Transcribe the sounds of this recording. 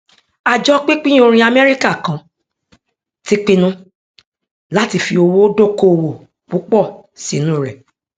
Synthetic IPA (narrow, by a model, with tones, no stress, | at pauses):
a˨d͡ʒɔ˦k͡pi˦k͡pĩ˦o˧ɾ̃ĩ˧a˨mɛ˦ɾi˦ka˦˨kã˨ | ti˦k͡pi˦nũ˦ | la˨˦ti˧fi˧o˧wo˦do˦˨ko˦o˧wo˨ | k͡pu˨˦k͡pɔ˦˨si˨nũ˨˦˨ɾɛ˨